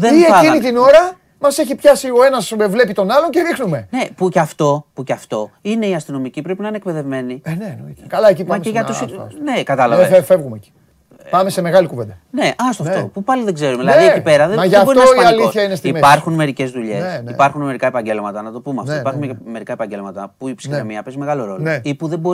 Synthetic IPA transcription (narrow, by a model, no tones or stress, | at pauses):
ðeieinit̪ino̞ɾɐ | mɐse̞çipçɐsio̞e̞nɐsvle̞pit̪o̞nɐlo̞ɲceɾixnume̞ne̞pucɐft̪o̞pucɐft̪o̞ine̞iɐst̪ino̞micipɾepinɐinek̚pe̞ðevme̞nienenoikɐlɐecimɐeʝɐtt̪usine̞kɐt̪ɐlɐvefefevɣumeci̥ | pɐmeseme̞ɣɐlikuvend̪ɐne̞ʔɐstoɐft̪opupɐliðe̞ɡze̞ɾumeðilɐɐðiecipe̞ɾɐðemɐʝɐboiɐosialioθçɐinest̪ipɐɾxunme̞ɾice̞zðuʎe̞sipɐɾxunme̞ɾikɐe̞pɐɲɟe̞lmɐt̪ɐnɐt̪o̞pumeɐft̪opɐɾxunme̞ɾikɐepɐɲɟe̞lmɐt̪ɐpuipskɐmiɐpezime̞ɣɐlo̞ɾo̞looeipuðe̞bo